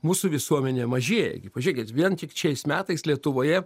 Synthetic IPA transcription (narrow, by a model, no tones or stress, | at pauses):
muːsʊʋʲɪsuɔmʲɛnʲeːmɐʒʲiɛjɛ̰ɡʲɪpɐʒʲuɛkʲɪt̪ʋʲiɛnt̪ʲɪkʃʲɛɪsmʲæːt̪ɐɪslʲiɛt̪ʊʋoːjɛ